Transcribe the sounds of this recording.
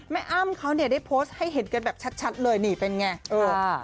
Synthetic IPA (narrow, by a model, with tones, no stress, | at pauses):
mɛ˦˥ʔa˧˩˨mkʰa˦˥wni˥˩ɐdaː˥˩jpʰoː˦˥st̪̚ha˥˩jɦe˨˩˦n̚ka˧nbɛː˨˩p̚t͡ɕʰa˦˥t̪̚t͡ɕʰa˦˥t̪̚lɤː˧jniː˧˩pe˧nŋa˧˩ʔɤː˧